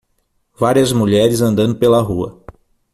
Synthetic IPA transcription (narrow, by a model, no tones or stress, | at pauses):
vaɾiɐzmuʎɛɾɪzɐ̃nd̪ɐ̃nd̪ʊpelɐɦuɐ̰